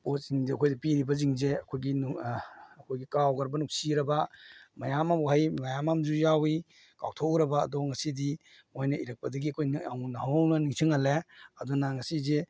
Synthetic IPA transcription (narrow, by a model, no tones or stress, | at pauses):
pot̚siŋzeɐkʰojdipiɾibɐziŋzeɐkʰojɡin | ɐkʰojɡikawɡɐɾbɐnuk̚siɾɐbɐmɐjamamwɦajmɐjamamzujawi | ka̰wtʰoɾɐba̰ːdɔŋɐsidi | mojnɐiɾɐk̚pɐdɐɡiɐkʰojawnaɦawnɐniŋsʰiŋɐleɐdɔnaŋɐsize